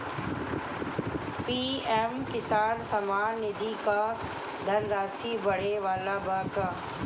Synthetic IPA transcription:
piːemkɪsaːnsɐmaːnːɪd̪ʱika | d̪ʱɐnɾaːsibɐɽ̤eʋaːlabaːkaː

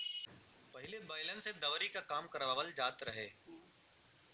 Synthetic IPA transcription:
pɐɦɪlebɐɪlə̃nsed̪ɐʋɾikakaːmkɐɾʋaːʋəld͡ʒaːt̪ɾɐɦeː

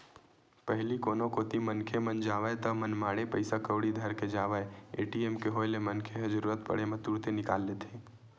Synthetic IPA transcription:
pəɦlikoːnokoːt̪imənkʰemənd͡ʒaːʋəet̪ɐmənmaːɽepəɪsakəwɽid̪ʱɐɾked͡ʒaːʋaeḛːʈieːmkeɦoːelemənkʰeɦɐd͡ʒəɾuːɾət̪̚pə̰ɽ̤emẽt̪uːɽt̪enɪkaːlːeːt̪ʰẽː

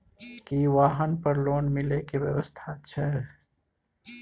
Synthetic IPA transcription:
kiʋaːɦənpəɾloːnmɪlekeʋjə̰ʋəst̪ʰatːʃʰɛ

